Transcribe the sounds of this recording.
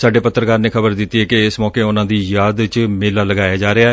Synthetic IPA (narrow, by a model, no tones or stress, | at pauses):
saːɖeːpət̪ːəɾkaːɾneːkʰəbəɾd̪ɪt̪ːiːɦɛːkɪɪsmɔːkeːʊnãːd̪iːjaːd̪t͡ʃmeːlaːləɡaːjaːd͡ʒaːɾeaː